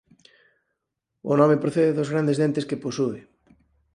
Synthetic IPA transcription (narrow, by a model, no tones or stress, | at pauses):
o̰nɔmepɾoθeðeðozɣɾand̪ezðent̪eskeposuβe